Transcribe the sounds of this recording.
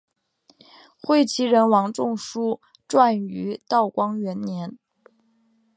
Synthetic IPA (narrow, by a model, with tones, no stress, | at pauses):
xwe˥˩ɪt͡ɕʰi˧˥ɻə˧˥nwɑ˧˥ŋʈ͡ʂʊ˥˩ŋʂu˥ | ʈ͡ʂwa˥˩ny˧˥t̪ɑ˥˩ʊkwɑ˥ŋɥɛ˧˥nnjɛ˧˥n